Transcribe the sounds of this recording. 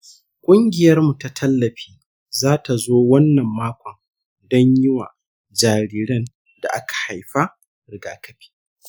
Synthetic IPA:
kʷʼʊ˦ŋɡʲɪ˨jɐ˦rmu˨ta˨tʰɐ˦lːɐ˨ɸiː˦ | zaː˦ta˨zoː˦wɐ˦nːɐ˨mːaː˦kʷʰɔ˨n | dɔ˦ɲjɪ˦wa̰ː˨ | d͡ʒaː˨ɾiː˦ɾɐ˦n | da̰˨ʔa˦kḁ˨ha˨jɸa˦ | ɾɪ˨ɡaː˨kɐ˦ɸi̥ː˦

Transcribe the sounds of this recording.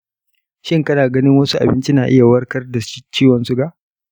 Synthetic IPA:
ʃɪ˦ŋkɐ˦naː˨ɡɐ˦nɪ˦ŋwɐ˦su˦ʔa̰˨bɪ˦nt͡ʃi˦naː˨ʔɪ˦ja˨wɐ˦rkɐ˦rda˨˦t͡ʃiː˦wɐ˨nsu˦ɡa˨ʔ

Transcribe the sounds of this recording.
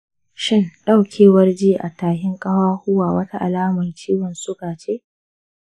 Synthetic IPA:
ʃɪ˦nɗa˦wkʲʰeː˨wɐ˦rd͡ʒiː˦ʔa˨taː˨ɦɪ˦ŋkʼɐ˦waː˦hʊ˦waː˨wɐ˦ta˦ʔa˨laː˦mɐ˨nt͡ʃiː˦wɔ˨nsʊ˦ɡaː˨t͡ʃeː˦ʔ

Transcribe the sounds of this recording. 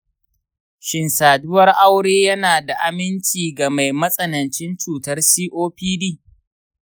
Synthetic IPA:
ʃɪ˨nsaː˨dʊ˦wɐ˦rʔa˦wɽeː˦jɐ˦naː˨da˨ʔa˦mɪ˦nt͡ʃiː˨ɡa˨ma˨jmɐ˦sʼɐ˨nɐ˨nt͡ʃɪ˦nt͡ʃuː˨tɐ˦rsiː˦ʔoː˦ɸiː˦diː˦˨

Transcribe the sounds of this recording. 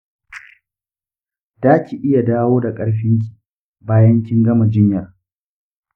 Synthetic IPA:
d̥aː˦kʲi˨ʔɪ˦ja˨daː˦woː˦da˨kʼɐ˦ɽɸɪ˦ŋk̬ʲi̥˨ | baː˦jɐ˦ŋkʲɪ˦ŋɡɐ˦ma˨d͡ʒɪ˦ɲjɐ˨r

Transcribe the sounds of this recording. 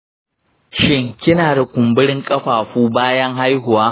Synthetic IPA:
ʃɪ˦ŋkʲɪ˦naː˨da˨kʷʊ˨mbɪ˦ɽɪ˦ŋkʼɐ˦ɸaː˨ɸuː˦baː˦jɐ˦ŋɦa˦jɦʊ˨waː˦

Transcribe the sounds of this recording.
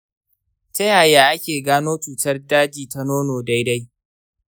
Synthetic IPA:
tɐ˦jaː˨jaː˦ʔa˦kʲeː˨ɡaː˦noː˦t͡ʃuː˨tɐ˦rdaː˦d͡ʒiː˨ta˦noː˦noː˨da˦jda˦j

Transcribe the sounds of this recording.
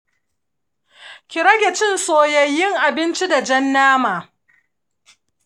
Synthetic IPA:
kʲɪ˨ɾɐ˦ɡʲɛ˨t͡ʃɪ˦nsoː˨jɐ˨jːɪ˦ŋʔa˨bɪ˦nt͡ʃi˦da˨d͡ʒɛ˦nːaː˦maː˨

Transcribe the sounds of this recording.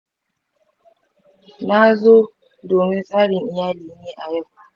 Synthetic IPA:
na˦zo˦ | doː˨mɪ˦nsaː˦ɾɪ˨ŋɪ˨jaː˦liː˨˦ɲeː˦ʔa˨jɛ˦kʷa˦˨

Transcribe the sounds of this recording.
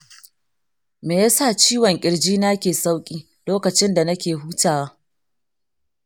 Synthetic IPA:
meː˨ja˦sa˦˨t͡ʃiː˦wɔ˨ŋkʲʼɪ˨ɽd͡ʒiː˦na˦kʲeː˨sa˦wkʲʼiː˦ | loː˦kɐ˨t͡ʃɪ˦nda˨nɐ˦kʲeː˨ɦuː˦taː˨wa˦

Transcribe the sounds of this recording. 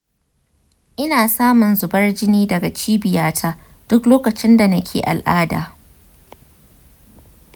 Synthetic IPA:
ʔɪ˦naː˨saː˦mʊ˨nzʊ˨bɐ˦rd͡ʒɪ˦niː˦dɐ˨ɡa˨t͡ʃiː˦bɪ˨jaː˦tʰaː˦ | d̥ʊ˦kloː˦kɐ˨t͡ʃɪ˦nda˨nɐ˦kʲʰḛː˨ʔa̰˨lʔaː˦da̰ː˨

